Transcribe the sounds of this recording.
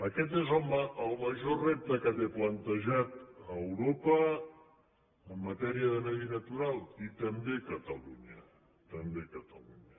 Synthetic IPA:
əkɛt̪̬ezolˠməəlˠməʒorep̚t̪əkat̪eplənt̪əʒat̪əːwɾopə | əmːət̪ɛɾiəðənəβinət̪uɾalˠit̪əmbekət̪əluɲə | t̪əmbekət̪əluɲə

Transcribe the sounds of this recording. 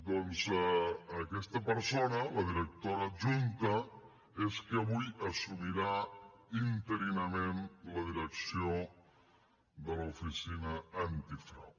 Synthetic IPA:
d̪onzː | kɛst̪əpəɾsonɐləðiɾək̚t̪oɾaʒunt̪ə | eskeaβujəsumiɾaint̪əɾinəmẽnləðiɾəksio | d̪əlɐufisinəːnt̪ifɾa̰w

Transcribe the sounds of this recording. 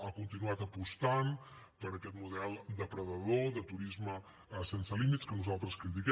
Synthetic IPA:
akunt̪inuat̪əpust̪an | pəɾəkɛt̪muðɛlˠd̪əpɾəðəðoðət̪uɾizmə | sensəlimit̪skənuzalˠt̪ɾəskɾit̪̬ikɛ

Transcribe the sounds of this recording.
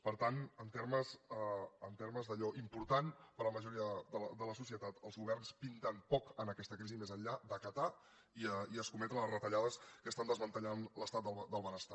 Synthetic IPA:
pəɾt̪anənt̪eɾməsəənt̪eɾməzðəʎɔʔimpuɾt̪anpəɾləməʒuɾiəðədələsusiət̪at̪əlˠzɣuβ̞ɛrnspint̪ənpɔkənəkɛst̪əkɾizimezənʎad̪əkət̪a | iəiəskumɛt̪ənlərət̪əʎaðəskəst̪and̪əzβənt̪əʎanləst̪at̪d̪əld̪əlˠβənəst̪a

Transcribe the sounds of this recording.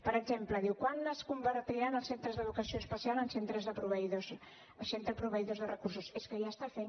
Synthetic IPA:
pəɾəɡzempləðiwkwanəskumbəɾt̪iɾanəlˠsent̪ɾəzðəðukəsioəspəsialˠənsent̪ɾəzðəpɾuβəiðos | əsent̪ɾəpɾuβəiðozðərəkursuseskəʒast̪afe

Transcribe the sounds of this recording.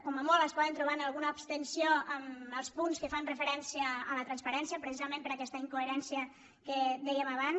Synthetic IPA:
kɔməmɔlˠəspɔðənt̪ɾuβanəlˠɣunəupst̪ənsioəməlˠspunskəfanrəfəɾɛnsiəːlət̪ɾənspəɾɛnsijəpɾəsizəmẽmpəɾəkɛst̪əiŋkueɾɛnsiə | kəd̪ɛjəməβan

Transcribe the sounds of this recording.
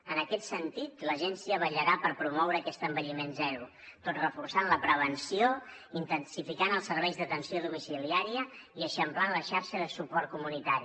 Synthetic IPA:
ənəkɛt̪sənt̪it̪ləʒɛnsiəβəʎəɾapəɾpɾumɔwɾəːkɛst̪əmbəʎimenzɛɾu | t̪ot̪rəfursanləpɾəβ̞ənsioint̪ənsifikanəlˠsəɾβɛjzðət̪ənsioðumisiliaɾiəiəʃəmplanləʃaɾʃəðəsupɔɾt̪̚kumunit̪aɾi

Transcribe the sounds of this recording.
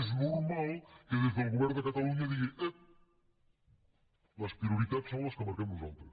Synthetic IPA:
ʒnuɾmalˠkɐðezðɐlˠɣuβɛɾuðɐk̪ɐt̪ɐlˠũiɐðiɣɐ̃jɐ | nɐʃpɾiuɾit̪aðʃsɐ̃w̃ɐʃkɨmɐɾkɐmuzõnt̪ɐ̃

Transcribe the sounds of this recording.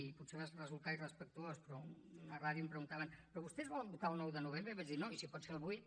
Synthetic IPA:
iputseβat͡ʃrəzulˠt̪airəspək̚t̪uospɾɔnəraðjumpɾəɣunt̪aβənpɾɔβust̪ɛzβɔləmbut̪alˠnɔwðənuβ̞embɾəβad͡ʒd̪inoisipɔt̪sfelˠβuj

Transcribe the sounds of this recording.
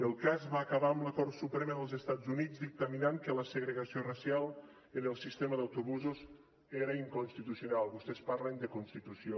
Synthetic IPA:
əlˠkazβaːkəβaəmləkɔrt̪supɾɛməðəlˠzəst̪azunid͡zd̪ik̚t̪əminaŋkələsəɣɾəɣəsiorəsjalˠ | ənəlˠsist̪eməðəwt̪uβuzuz | eɾəiŋkunst̪it̪usiunalˠβust̪ɛspaɾlənd̪əkunst̪it̪usio

